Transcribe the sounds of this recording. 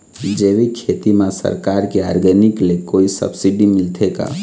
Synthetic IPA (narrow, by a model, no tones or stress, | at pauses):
d͡ʒeːʋikʰet̪imãsə̰ɾkaɾkeaːɾɡəniklekoːisə̰bsiɖimɪlt̪ʰeka̰